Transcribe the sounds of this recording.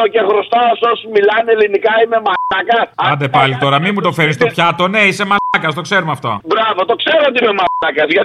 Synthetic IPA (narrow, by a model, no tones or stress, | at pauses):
ocexɾost̪ɐsosmilɐnelinikɐime̞mɐɐkɐsɐnd̪epɐlit̪o̞ɾɐmimut̪o̞feɾist̪o̞pçɐt̪o̞ne̞ise̞mɐkɐst̪o̞kse̞ɾumɐft̪o̞̰bɾɐvo̞t̪o̞kse̞ɾoot̪iime̞mɐɐkɐsʝɐ